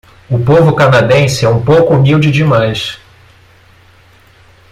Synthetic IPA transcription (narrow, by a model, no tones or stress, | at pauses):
ʊpovʊkanad̪ẽsɪɛũpowkʊumiwd͡ʒɪd͡ʒɪmãjs